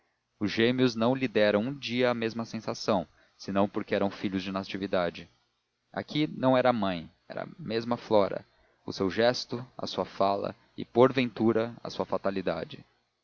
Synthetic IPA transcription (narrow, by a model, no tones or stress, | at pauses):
ʊzʒẽmiʊznɐ̃w̃lid̪ɛɾɐ̃w̃ũd͡ʒiɐːmezmɐsẽsasɐ̃w̃ | sɪnɐ̃w̃poɾkɪɛɾɐ̃w̃fiʎʊzd͡ʒɪnat͡ʃivid̪ad͡ʒɪ | a̰kʰinɐ̃w̃ɛɾɐaːmɐ̃j̃ | ɛ̰ɾɐ̰mezmɐflɔɾɐ̰ | ʊsewʒɛst̪ʊɐ̰suɐfalɐ̰ | ɪ̰poɾvẽnt̪uɾɐɐ̰suɐfat̪alid̪a̰d͡ʒɪ̰